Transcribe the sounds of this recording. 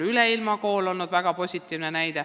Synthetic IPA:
yleilmɑko̞ːlo̞lnud̪væɡ̥ɑpo̞sʲit̪ːˑiːvnenæjd̪̥e

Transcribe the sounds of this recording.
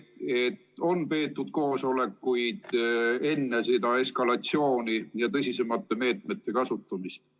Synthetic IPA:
e̞t̪ːo̞npe̞ːt̪ːˑud̪̥̚ko̞ːso̞le̞kːujd̪̥e̞nːesed̪ɑe̞skɑlɑt̪sio̞ːnijɑt̪ɤsʲise̞mɑt̪ːe̞me̞ːt̪me̞t̪ːe̞kɑsut̪ːˑumist̪

